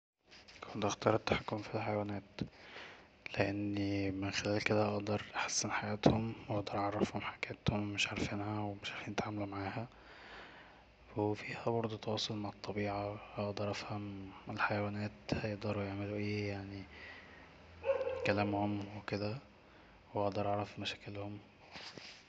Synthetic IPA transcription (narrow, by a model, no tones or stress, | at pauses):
kʰont̪ʔɑxt̪ɑːɾˤet̪ːḁħakːomfilħajæwæːnæːt̪ | leʔenːmenxelæːlked̪æʔɑʔd̪ɑɾˤʔaħḁsːenħajæːt̪homwʔɑʔd̪ɑɾˤʔɑʕɑrˤːɑfhomħaɡæːt̪homːeʃʕaɾˤfiːnhæwemeʃʕaɾfiːnt̪ʕamælumaʕaːhæ | wefiːhæbɑɾˤd̪ˤot̪ɑwɑːsˤolmaʕɑt̪ˤːɑbiːʕahɑʔʔd̪ˤɑɾˤʔæfhæmelħajæwæːnæːt̪hæjeʔd̪ɑɾˤujeʕmeluʔeːjaʕni | kælæːmhomweked̪æ | weʔɑʔd̪ɑɾˤʔɑʕɾˤɑfmæʃæ̥ːkelhom